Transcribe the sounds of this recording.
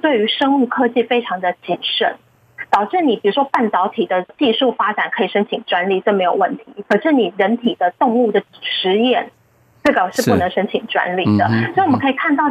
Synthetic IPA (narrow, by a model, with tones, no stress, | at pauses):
t̪we˥˩ɪy˧˥ʂɤ˥ŋu˥˩kʰɤ˥t͡ɕi˥˩fe˥ɪʈ͡ʂʰɑ˧˥ŋd̪ə˧t͡ɕi˨˩nʂə̰˨˩˦n | t̪ɑ˨˩ʊʈ͡ʂɻ̩˥˩ni˨˩pi˨˩ɻu˧˥ʂwɔ˥pa˥˩nt̪ɑ˧˥ʊt̪ʰi˨˩d̪ə˦t͡ɕi˥˧ʂu˥˩fa˥ʈ͡ʂa˨˩nkʰɤ˧˥i˨˩ʂə˥ŋt͡ɕʰi˨˩ŋʈ͡ʂwa˧˥nli˥˩ʈ͡ʂɤ˥˩me˧˥ɪjo˨˩ʊwə̰˥˩nt̪ʰi˧˥kʰɤ˨˩ʈ͡ʂɻ̩˥˩ni˨˩ɻə˧˥nt̪ʰi˨˩d̪ə˦t̪ʊ˥˧ŋu˥˩d̪ə˩ʂɻ̩˧˥jɛ˥˩n | ʈ͡ʂɤ˥˩ɡə˨˩ʂɻ̩˥˧pu˥˩nɤ˧˥ŋʂə˥ŋt͡ɕʰi˨˩ŋʈ͡ʂwa̰˧˥nli˨˩d̪ə̰˦swɔ˧˥i˨wmə˦kʰi˨˩kʰa˥˧nt̪ɑ˥˩ʊ